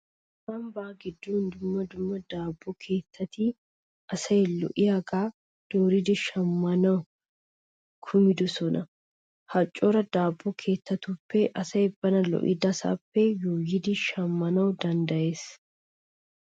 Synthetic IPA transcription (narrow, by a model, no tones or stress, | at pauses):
sɐmbaːɡɪd̪ːuːnd̪ʊmːɐd̪ʊmːɐd̪aːbːɔkʰe̞ːt̪ːɐt̪i | ʔɐsɐjɛlːɔ̰ʔɪjaɡaː | d̪̥oːɾɪd̪ɪʃɐmːɐnɐʊ | kʰʊmɪd̪ʊsɔnʔɐ | hɐt͡ʃʼːoɾɐd̪aːbːɔkʰe̞ːt̪ːɐt̪upːɛʔɐsɐɛbːɐnɐlɔ̰ʔɪ̰d̪ɐsa̰ːpːɛjoːjɪd̪ɪʃɐmːɐnɐʊd̪ɐnd̪ɐʔe̞ːs